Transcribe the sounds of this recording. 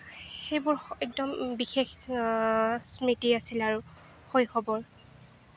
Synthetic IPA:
xejbʊɹɛk̚dɔmbixex | smitiasilaɹu | xojxɔbɔɹ

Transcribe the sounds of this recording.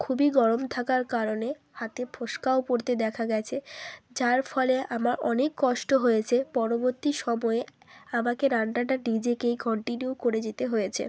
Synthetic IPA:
kʰubiɡɔɾomt̪ʰakaɾkaɾone | hat̪epʰoʃkaopoɾt̪ed̪ɛkʰaɡɛt͡ɕʰed͡ʑaɾfɔleʔamaɾɔnekːɔʃʈoɦojet͡ɕʰepɔɾoboɾt̪iʃɔmɔe | amakeɾaɳɖaʈaɖid͡ʑekejkɔɳʈinjukoɾed͡ʑet̪eɦojet͡ɕʰḛ

